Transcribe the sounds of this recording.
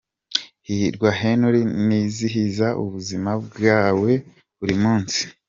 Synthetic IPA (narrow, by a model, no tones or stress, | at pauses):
hiɾɡwaɦenuɾiniziɦizaʔṵβuzimab̚ɡaːwe̞ | βuɾimuːnsi̥